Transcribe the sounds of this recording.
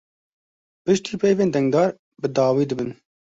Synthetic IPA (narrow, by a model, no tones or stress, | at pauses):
pɨʃt̪iːpʰɛjveːnd̪ɛŋd̪ɑːɾ | bɨd̪ɑːwiːd̪ɨbɨn